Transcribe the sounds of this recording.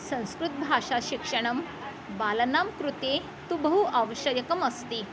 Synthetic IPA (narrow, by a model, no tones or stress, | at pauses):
sə̃w̃skɾut̪̚bʱaʂaɕikʂəɽ̃əm | balnamkɾut̪e | t̪ubəɦuʔaʋəɕəjəkəməst̪i